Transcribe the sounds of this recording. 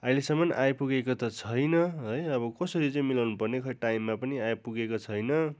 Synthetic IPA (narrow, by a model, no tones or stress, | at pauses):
ʌilesʌmːʌnʔajpuɡekot̪ʌt͡sʰʌjnʌɦʌjʌbʌkʌsʌɾit͡sʌĩmilawnupʌrnekʰʌʈajmːapʌniajpuɡekot͡sʰʌjnʌ